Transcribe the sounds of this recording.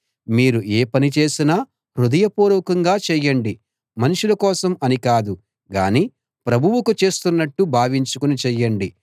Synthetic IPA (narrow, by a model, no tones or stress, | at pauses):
miːɾuʔeːpɐnit͡ʃe̞ːsinaː | ɾud̪ɐjɐpuːɾɔːkɐŋɡaːt͡ʃɛːjːɐɳɖi | mɐnuʂulɐkɔːsɐmɐnikaːd̪u | ɡa̰ːniː | pɾɐbʱuʋukut͡ʃe̞ːst̪unːɐʈːubʱaːʋiɲt͡ʃukunit͡ʃɛjːɐɳɖi